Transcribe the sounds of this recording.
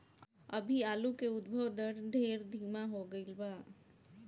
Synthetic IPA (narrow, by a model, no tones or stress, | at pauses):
ə̰bʱiaːlukeʊd̪̚bʱəʋd̪əɾd̪ʱeɾd̪ʱiːmaɦoɡəɪlbaː